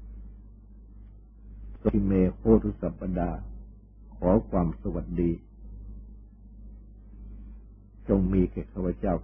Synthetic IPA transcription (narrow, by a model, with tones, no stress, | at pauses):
so˧i˧˩meː˧kʰoː˥˩t̪ʰu˦˥sa˨˦pːa˧daː˧ | kʰɔː˩˦kʰwaː˧msa˧wa˨˩t̪̚diː˧ | t͡ɕo˧ŋmiː˧kʰeː˨˩kʰaː˥˩wa˧˩t͡ɕaː˥˩w